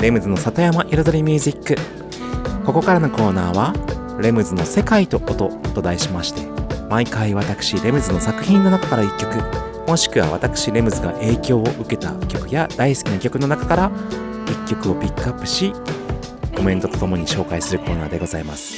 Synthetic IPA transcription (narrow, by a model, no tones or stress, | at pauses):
ɾe̞mɯ̟zɨno̞sat̪ojamaʔiɾazoɾʲimʲɯːzikːɯ̟ | ko̞ko̞kaɾano̞ko̞ːnaːβa | ɾe̞mɯ̟zɨno̞se̞kait̪o̞ʔot̪o̞t̪o̞d̪aiɕimaɕi̥t̪e̞maikaiβat̪akɯ̟̥ɕiɾe̞mɯ̟zɨno̞sakɯ̟çĩnnːo̞nakḁkaɾaikʲːo̞kɯ̟ | mo̞ɕi̥kɯ̟βa̰β̞a̰t̪akɯ̟̥ɕiɾe̞mɯ̟zɨɡa̰ʔe̞ːkʲo̞ːʔɯ̟ke̞t̪a̰kʲo̞kɯ̟jad̪aisɨ̥kʲinakʲo̞kɯ̟no̞nakḁkaɾa | ikʲːo̞kɯ̟o̞pʲikːɯapːɯ̥ɕi | ko̞mẽ̞nt̪o̞t̪ot̪o̞mo̞ɲ̟iɕo̞ːkaisɨɾɯ̟ko̞ːna̰ːd̪e̞ɡo̞zaimasɨ̥